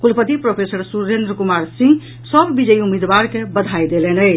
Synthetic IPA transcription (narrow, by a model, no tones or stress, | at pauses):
kulpət̪ipɾopʰesəɾsuɾend̪ɾəkumaɾsĩ | səbʱbid͡ʒəiumid̪baɾkebəd̪ʱajd̪elɛnəjt͡ʃʰ